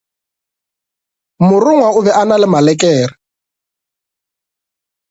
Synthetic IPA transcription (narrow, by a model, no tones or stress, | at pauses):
mʊrʊŋwaʊβɛʔanalɪmalɛkʼɛːrɪ